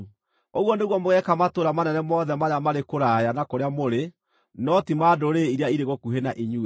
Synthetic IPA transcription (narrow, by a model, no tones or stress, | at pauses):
oɣwɔneɣwɔmoɣɛkamatoɾamanɛnɛmɔðɛmaɾeamaɾekoɾajanakoɾeamoɾe | nɔtimaːdoɾeiɾeaiɾeɣɔkuɦenaʔiɲu